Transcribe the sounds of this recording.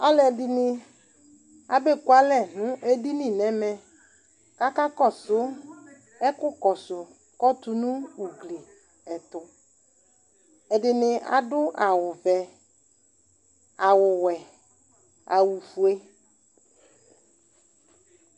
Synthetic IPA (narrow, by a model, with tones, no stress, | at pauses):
a˦lɛ˨dɪ˨nɪ˦ | a˨be˦˨kwa˦lɛ˦˨nʊ̃˦ʔe˦di˦nĩ˨nɛ˨˦mɛ˦ | ka˦ka˦kɔ˦˨sʊ˨˦ | ɛ˦kʊ˦kɔ˨sʊ˨ | kɔ˦t̪ʊ˨nʊ̃˦u˨ɡle˨ | ɛ˨t̪ʊ˨ | ɛ˨dɪ˨nɪ˨a̰˨dʊ˦ʔa˨wʊ˨vɛ˨ | a˨wʊ˨wɛ˨ | a˨wu˨fu˨e˦